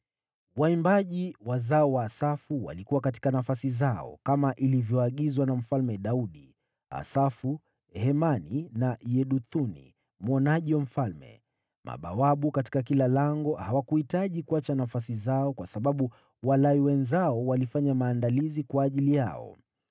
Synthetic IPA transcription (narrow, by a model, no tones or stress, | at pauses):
waimbaʄiwazaɔwaːsafuwa̰likuwakati̥kanafasizaɔ̰kamaʔilivjɔaɠizwanam̩falmɛɗauɗi | a̰safu | hɛmaninajɛɗut̪unḭ | m̩ɔnaʄiwam̩falmɛ̰ | mʔa̰ɓa̰waɓukati̥kakilalaŋɡɔhawakuhitaʄikuat͡ʃanafasizaɔkwasaɓaɓu | walaiwɛnzaɔwalifaɲamaːndalizikwaːʄilija̰ɔ̰